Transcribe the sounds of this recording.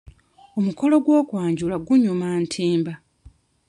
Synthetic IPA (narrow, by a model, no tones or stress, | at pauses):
o̞muko̞lo̞ɡwo̞ːkwaːɲɟulaɡuɲumantʰiːmba